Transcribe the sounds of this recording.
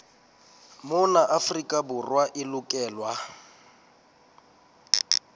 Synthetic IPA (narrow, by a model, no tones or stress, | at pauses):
mʊnaʔafrikʼabʊrwaʔɪlʊkʼɛːlwa